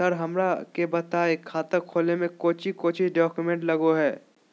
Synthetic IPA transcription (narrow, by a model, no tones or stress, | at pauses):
sɐɾɦɐmɾakebɐt̪aekʰːaːt̪əkʰoːlnemẽkoːt͡ʃʰikoːt͡ʃʰiɖɔːkjʊmẽɳʈlɐɡoɦɛː